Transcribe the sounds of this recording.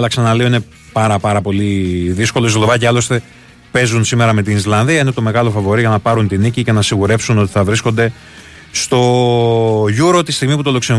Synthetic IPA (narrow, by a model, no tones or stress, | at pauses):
lɐksɐnɐlio̞ine̞ | pɐɾɐpɐɾɐpo̞liðisko̞loislo̞vɐceɐlo̞st̪e̞ | pe̞zunsime̞ɾɐme̞t̪inizlɐnðiɐinet̪o̞me̞ɣɐlo̞fɐvo̞ɾiʝɐnɐpɐɾunt̪inicice̞nɐsiɣuɾe̞psuno̞t̪i̥θɐvɾisko̞nd̪e̞ | st̪o̞ | ʝuɾo̞t̪ist̪iɣmiput̪o̞lokse